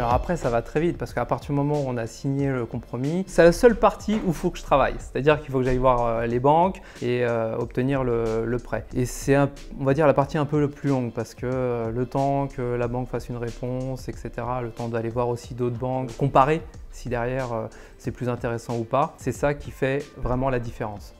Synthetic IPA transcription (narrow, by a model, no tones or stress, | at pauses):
alɔʁapχɛsavat̪χɛvit̪̚paʁsə̥kəapaʁt̪iʁd̪ymɔmɑ̃uɔ̃nasiɲeləkɔ̃pχɔmisɛlasœlpaʁt̪ʰiufokəʒət̪χava̰jse̥t̪ad̪iʁkilfokəʒajvwaʁølebɑ̃k | eøɔ̰p̚t̪əniʁlələpχɛesɛɛ̃ | ɔ̃vad̪iʁlapaʁt̪iɛ̃pøplylɔ̃ɡpaʁsə̥kəølət̪ɑ̃kʰəlabɑ̃kfasynʁepɔ̃sɛkset̪eʁalət̪ɑ̃d̪alevwaʁosid̪ot̪χbɑ̃kkːɔ̃paʁesid̪ɛʁjɛʁø | sɛplyzɛ̃t̪eʁesɑ̃upasɛsakʲifɛvʁɛmɑ̃lad̪ifeʁɑ̃s